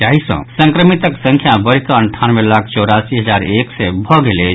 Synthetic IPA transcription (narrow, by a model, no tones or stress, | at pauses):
aɦisə̰̃sə̃ŋkɾəmit̪əksə̃ŋkʰjabəɾkaəɳʈʰanʋelakʰt͡ʃɔɾasiɦəd͡ʒaɾeksebʱɔɡele